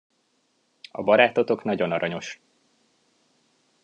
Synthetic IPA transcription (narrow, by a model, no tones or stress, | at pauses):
ɒ̰bɒɾaːt̪o̞t̪o̞knɒɟo̞nɒɾɒɲo̞ʃ